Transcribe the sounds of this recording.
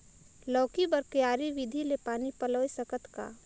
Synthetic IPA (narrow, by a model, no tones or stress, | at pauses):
lɔːkibɐɾkjaːɾiʋɪd̪ʱilepaːnipəloːisəkət̪ka̰ː